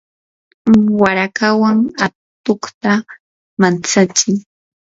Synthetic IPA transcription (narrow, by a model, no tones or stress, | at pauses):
waɾakawaŋa | t̪oχt̪a | mant͡sat͡ʃɪŋ